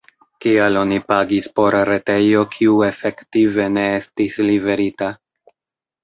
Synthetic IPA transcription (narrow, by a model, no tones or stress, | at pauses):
kialo̞nipaɡispo̞ɾɾe̞te̞jo̞kʰiue̞fe̞ktive̞ne̞estislive̞ɾita